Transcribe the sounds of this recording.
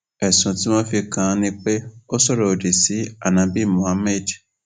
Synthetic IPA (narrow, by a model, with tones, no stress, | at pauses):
ɛ˨sũ˨ti˨˦mã˦fi˧kã˧nĩ˧k͡pe˦o˦sɔ˦˨ɾɔ˨o˨di˨si˨˦a˦˨nã˨bi˦˨mõ˨a˦mɛ˦˨d